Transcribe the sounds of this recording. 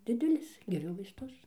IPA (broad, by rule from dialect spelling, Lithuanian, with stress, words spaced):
ˈdʲɪdʲɛlʲɪs ɡʲɛˈrʲʊ ʋɐɪsˈtʊs